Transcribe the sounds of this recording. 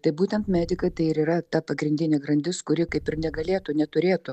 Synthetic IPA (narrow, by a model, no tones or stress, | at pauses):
t̪ɐɪbuːt̪ʲɛnt̪mʲæːd̪ʲɪkɐɪt̪ɐɪɪɾiːɾɐt̪ɐpɐɡɾʲɪnʲd̪ʲɪnʲeːɡɾɐnʲd̪ʲɪskʊɾʲɪkɐɪpɪɾnʲɛɡɐlʲeːt̪ʊnʲɛt̪ʊɾʲeːt̪ʊ